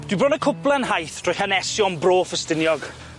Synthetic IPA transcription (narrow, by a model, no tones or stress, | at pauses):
d̥wibrɔnəkʰʊplˠɛnhajθtʰrɔjhanɛsjɔnbroːfəstɪnjɔɡ